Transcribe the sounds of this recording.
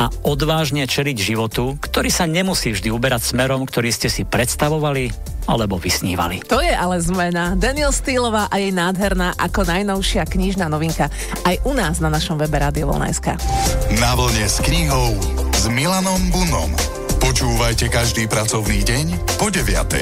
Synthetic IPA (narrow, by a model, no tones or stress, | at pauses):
aɔd̪ʋaːʒɲɛt͡ʃɛliɟʒiʋɔt̪ukt̪ɔɾiːsaɲɛmusiːvʒd̪iubɛɾacsmɛɾɔmkt̪ɔɾiːscɛsipɾɛt̪st̪aʋɔʋali | a̰lɛbɔʋisɲḭːʋa̰lḭt̪ɔjɛʔalɛzmɛnad̪aniɛlst̪iːlɔʋaːʔajɛjnaːd̪ɦɛɾnaːʔakɔnajnɔʊʃɪakɲiʒnaːnɔʋiŋka | ajʔunaːznanaʃɔmʋɛbɛɾaːd̪iɔʋɔ̰lna̰jska̰naʋl̩ɲɛskɲiɦɔʊzmilanɔmbunɔ̰m | pɔt͡ʃuːʋajcɛkaʒd̪iːpɾat͡sɔʊniːɟɛɲ | pɔɟɛʋɪa̰t̪ɛ̰